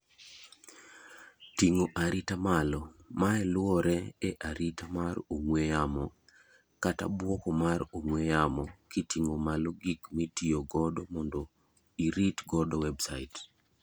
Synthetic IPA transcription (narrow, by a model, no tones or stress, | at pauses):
tiŋoʔaɾitamalɔmaɛlwɔɾɛɛʔaɾitamaroŋwejamɔ | kata̰bwɔkɔmaɾoŋwejamɔkitiŋomalɔɡikmitioɡɔdɔmɔndɔ | iɾitɡɔdɔwɛbsait